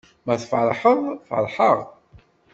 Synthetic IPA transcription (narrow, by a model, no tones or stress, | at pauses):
mæθfʕlħəðˤfə̰lħəʁ